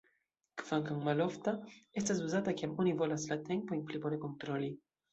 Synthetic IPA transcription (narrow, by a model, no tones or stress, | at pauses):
kfɐŋkɐŋmɐlɔft̪ɐɛt̪ːɐzbuzɐːt̪ɐkɛmunivɔlɐslɐt̪ːɛnpɔjnplipɔɾɛkɔnt̪ɾɔlːi